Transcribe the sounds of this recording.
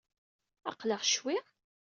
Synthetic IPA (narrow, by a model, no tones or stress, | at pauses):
ɑ̰qləʁʃwi